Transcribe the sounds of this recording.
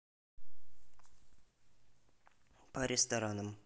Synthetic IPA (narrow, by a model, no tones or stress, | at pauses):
pɐɾʲɪst̪ɐɾanəm